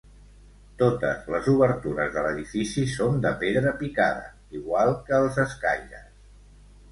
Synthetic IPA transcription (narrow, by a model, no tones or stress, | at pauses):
t̪ot̪ə̰zləzuβəɾt̪uɾəzðələðifisisond̪əpeðɾəpikaðə̰ | iɣwalˠkəːlˠzəskaʎə